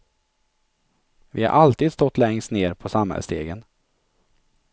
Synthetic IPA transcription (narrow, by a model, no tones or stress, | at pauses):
vɪha̰ɾʔalt̪iːd̪st̪ɔt̪ːlɛŋst̪neːɾpʰɔsamhɛ̰lst̪eːɡən